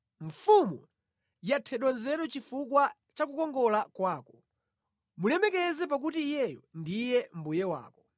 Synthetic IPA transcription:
ɱ̩fumu | jatʰɛɗɔnzɛɾɔt͡ʃifukwa | t͡ʃak̬ukɔŋɡɔlakwaːkɔ̥ | mulɛmɛkɛzɛp̬ak̬utijɛjɔndijɛm̩bujɛwa̰ːkɔ̥

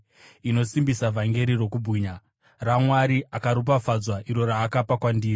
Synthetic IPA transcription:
ino̞simbisavʱaŋɡe̞ɾiro̞kubʱiːɲa | ramwaɾiʔakaɾup̬afad͡zwaʔiɾo̞ɾaːkapakwandiːri

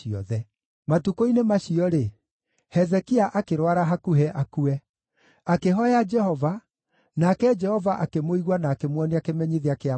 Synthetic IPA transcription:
iɔ̰ðɛ | matukoinemaʃiɔɾe | hɛzɛkiaʔakeɾwaɾaɦakuɦɛʔakuɛ | akeɦɔɛad͡ʒɛhɔva | naːkɛd͡ʒɛhɔvaʔakemoiɣwanaːkemwɔniakemɛɲiðeakea

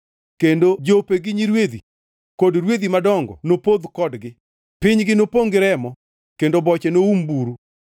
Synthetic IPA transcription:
kendod͡ʒopeɡɪɲiɾwed̪ḭ | kodɾwed̪imadɔŋɡɔ̰nopod̪kɔdɡɪ | pɪɲɡɪnopoŋɡɪɾɛmɔ | kendobɔt͡ʃɛnoumbuɾu

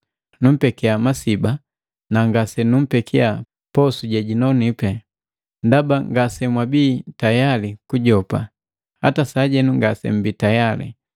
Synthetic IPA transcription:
num̩pɛkɛamasiba | naŋɡasɛnum̩pɛkʰia | pɔsuɟɛɟinɔnipɛ | ndabaŋɡasɛmwabiːtajalikuɟɔpa | ha̰tasaɟɛnuŋɡasɛ̰m̩biːtajalḭ

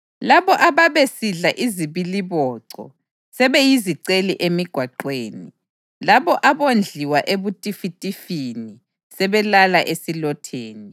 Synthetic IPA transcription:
laβɔʔaβaβesiɮaʔiziβiliβɔːǀɔ̰ | sɛβejiziǀeliʔemiɡ̥ʱwaǃweːni | laβɔʔaβond͡ɮʱiwaʔeβutʼifitʼifini | sɛβɛlalaʔesilɔtʰeːni

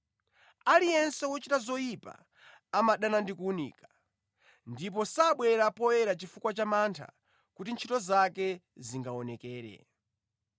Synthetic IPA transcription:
alijɛnsɛwɔt͡ʃitazɔjipa̰ː | maɗanandikuunḭːkḁ | ndip̬ɔsaɓwɛɾapɔjɛɾat͡ʃifukwat͡ʃamantʰa̰ | kutint͡ʃʰitɔzakɛ | ziŋɡaɔnɛkɛːɾɛ̰

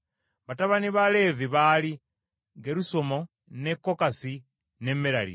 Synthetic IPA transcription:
βataβaniβale̞viβali | ŋɡeɾusomo̞ | ne̞kːo̞kasi | ne̞miɾalḭ

